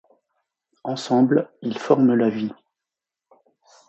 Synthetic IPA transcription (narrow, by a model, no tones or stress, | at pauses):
ɑ̃sɑ̃blilfɔʁməlavi